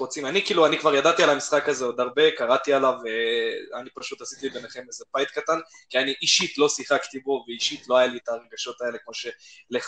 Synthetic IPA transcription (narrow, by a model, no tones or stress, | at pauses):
ʁot͡simanikiːluanikvaʁjadat̪ialamisχakazeod̪aʁbe̞kaʁat̪ialaveanipaʃut̪hasit̪iibeneχe̞mezebajt̪katan | kianiʔiʃit̪lo̞siχakt̪ibo̞veiʃit̪loajalietaʁe̞ɡaʃo̞t̪ae̞le̞kmo̞ʃe̞leχ